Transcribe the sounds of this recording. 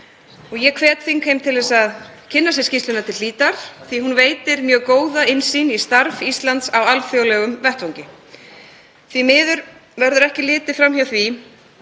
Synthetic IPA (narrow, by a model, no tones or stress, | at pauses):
ɔɣjɛkʰvɛːt̪θinkʰejmt̪ʰɪlvɛsað | cʰɪnːasjɛscist̪ʏnat̪ʰɪlliːt̪aɾ̥θihunveːjt̪ɪɾmjœːɣkoːwðaɪnsinist̪aɾvist̪lant̪sawalfjowlɛɣʏmvɛht̪vowŋcɪ | θvimɪːðʏɾvɛɾðʏɾɛhcɪlɪːt̪ɪfɾamçjawθvi